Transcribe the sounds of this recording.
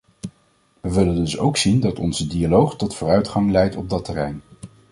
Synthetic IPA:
ʋəʋɪləndɵsowksindɑtɔnzədialowχtɔtfʊːrœɥtχɑŋlɛjtɔb̚dɑtɛrɛjn

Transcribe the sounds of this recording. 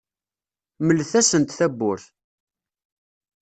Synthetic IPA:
məlːθæsənt̪θæbːʊɾθ

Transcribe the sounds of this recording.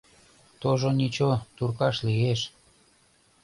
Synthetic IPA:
t̪oʒonit͡ɕot̪urkɑʃlieʃ

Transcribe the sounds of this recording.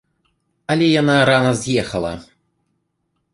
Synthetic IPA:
ɐlʲɛjanaɾanɐzʲjɛxɐlˠɐ̰

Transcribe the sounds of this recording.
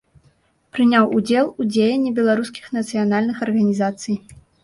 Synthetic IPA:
pɾɨnʲawud͡zʲɛlˠud͡zʲejɛnʲːɛbʲɛlˠaɾuskʲi̥xnɐt̪sɨjanalʲnɨxɐrɣɐnʲizat̪sɨj

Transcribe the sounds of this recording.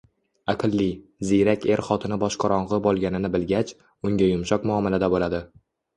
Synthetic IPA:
aqʰɨlˠːizijɾakʲʰe̞ɾχɒt̪ʰɪnɪbɒʃqʰɑɾɒɴʁɨbɒlˠɡʲanɪnɪbɪlɡʲat͡ʃ | ʊŋɡʲajʊmʃɒqmʊɒmɪlad̪abolad̪ɪ

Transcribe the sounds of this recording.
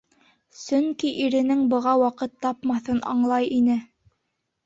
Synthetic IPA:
sɵ̆ŋkiʔiɾɘ̆nɘŋbɤ̆ʁɑwɑqɤt̪ːɑpmɑθɤnʔɑ̰ɴlˠɑjinɘ

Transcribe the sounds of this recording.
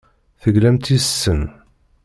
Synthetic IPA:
θəɡlæmt̪isːən

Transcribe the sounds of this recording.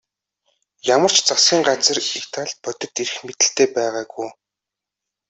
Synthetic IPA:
jamə̆r̥t͡ɕt͡sasɡʲiːŋɢat͡sə̆rikt̪ʰaɮpœt̪ɵ̆t̪eɾɘ̆xmet̪ɘ̆ɬt̪eːpæːʁaːɡuj

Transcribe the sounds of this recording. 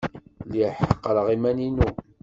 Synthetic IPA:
liħəqːɾəʁimæninu

